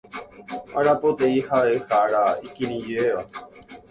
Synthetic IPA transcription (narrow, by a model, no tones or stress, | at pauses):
aɾapot̪eihaehaɾaikinĩd͡ʒeeʋa